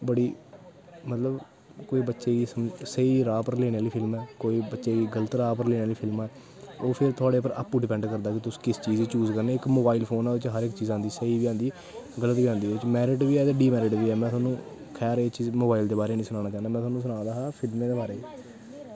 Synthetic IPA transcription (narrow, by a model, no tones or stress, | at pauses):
bəɽiː | mət̪ləb | koːiːbətːʃeːɡiːsəmsəiːɾaːpəɾleːñeːaːliːpʰɪlmɛːkoːiːbətːʃeːɡiːɡələt̪ɾaːpəɾleːneaːliːpʰɪlmɛː | oːpʰɪɾt̪ʰʊaːɽeːpəɾə̰pːuɖɪpɛ̃ːɳɖkəɾd̪aːkɪt̪ʊsːkɪst͡ʃiːziːt͡ʃuːzkəɾneːɪkmoːbaːɪlpʰoːnaːʋɪt͡ʃɦəɾɪkt͡ʃiːzãːnd̪iːsəiːʋiːãːnd̪iː | ɡələt̪ʋiːãːnd̪iːʋɪt͡ʃmɛːɾɪʈʋiːɛːd͡ʒ̪eɖiːmɛːɾɪʈʋiːɛːmɛ̃ːt̪ʰwaːnːũː | kʰɛːɾet͡ʃiːzmoːbaːild̪eːbaːɾeːnĩːsʊnaːñaːt͡ʃaːnd̪aːmɛ̃ːt̪ʰwaːnũs̬ʊnãːd̪aːɦaːpʰɪlmẽːd̪eːbaːɾeː